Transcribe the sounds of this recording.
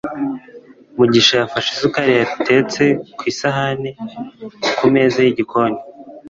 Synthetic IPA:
muɟiʃajafaʃizukaɾejate̞ːt͡se̞kwiːsaɦane | kume̞zajiɟikʰo̞ɲe

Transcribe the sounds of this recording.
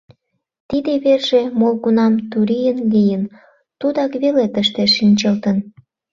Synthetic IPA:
t̪id̪eβerʒemolɣunɑmt̪uɾijənlijən | t̪ud̪ɑkβelet̪əʃt̪eʃːinʲt͡ɕəlt̪ən

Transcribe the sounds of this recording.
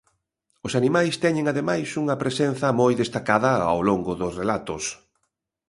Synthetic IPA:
ʊsanimajst̪ɛɲeŋaðemajsuŋɐpɾesenθɐmojðest̪akaðɐa̰wloŋɡʊðʊsrelat̪ʊs

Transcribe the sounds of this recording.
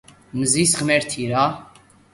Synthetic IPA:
məzisχmɛɾt̪ʰiɾa

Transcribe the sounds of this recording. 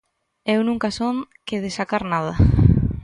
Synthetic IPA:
ewnũŋkasoŋ | keðesakaɾnað̞ɐ

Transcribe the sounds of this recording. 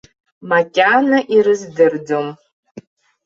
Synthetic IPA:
makʲʼanaʔiɾɨzdɨrd͡zom

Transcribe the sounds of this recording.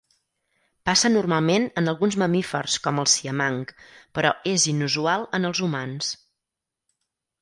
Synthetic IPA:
pasənurmalˠmenənəlˠɣunzməmifərskɔməlˠsiəmaŋkpəɾɔ̰ezinuzualˠənəlˠzumans

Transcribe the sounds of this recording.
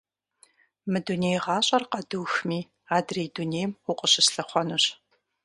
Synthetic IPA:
mɨdunejʁɑːɕʼɐrqɐduwxmiː | aːdreːdunejmʊqʼəɕɪsɬɐχʷɔnuɕ

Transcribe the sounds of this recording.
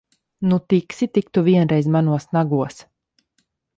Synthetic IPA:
nut̪iksit̪ikt̪uviɛnɾɛjzmanuɔsnaɡuɔs

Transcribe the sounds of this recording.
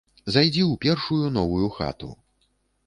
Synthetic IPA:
zajd͡zʲɛwpʲɛrʂujunɔvujuxa̰t̪ṵ

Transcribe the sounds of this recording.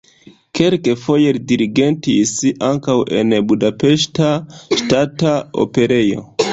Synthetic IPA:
kelkefo̞jeɾdiɾiɡentisaŋkawʔe̞̰nbudape̞ʃtaʃtatao̰pe̞ɾejo̞̰

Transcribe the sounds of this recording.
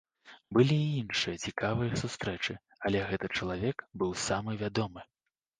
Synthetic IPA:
bɨlʲiːinʂɨjɐt͡sʲikavɨjɐsust̪ɾɛt͡ʂɨ | ɐlʲɛɣɛt̪ɨt͡ʂɐlˠavʲɛkbɨwsamɨvʲad̪ɔmɨ

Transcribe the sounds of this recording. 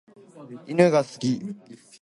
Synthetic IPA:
inɯɡasɨ̥ɡʲi

